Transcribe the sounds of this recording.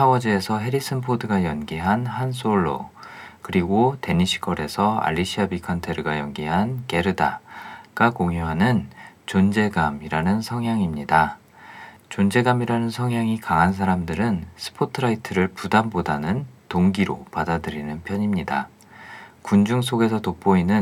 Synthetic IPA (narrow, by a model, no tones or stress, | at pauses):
tʰawʌd͡ʑie̞sʰʌɦe̞ɾisʰɯnpʰodɯɡajʌnɡiɦanhans͈ʰoɭːo̰ | kɯɾiɡote̞ɲiɕʰi̥kʰʌɾe̞sʰʌa̰ʎːiɕʰiabikʰʌntʰeɾɯɡajʌnɡiɦanke̞ɾɯda̰ɡ̥akoŋjoɦanɯnt͡ɕond͡ʑe̞ɡamiɾanɯnsʰʌŋɦjaŋimɲida | t͡ɕond͡ʑe̞ɡamiɾanɯnsʰʌŋɦjaŋikaŋɦans̬ʰaɾamdɯɾɯnsʰɯ̥pʰotʰɯɾaitʰɯɾɯɭpudambodanɯntoŋɡiɾo̰padadɯɾinɯnpʰjʌɲimɲida | kund͡ʑuŋsʰoɡe̞sʰʌtop̚p͈oinɯn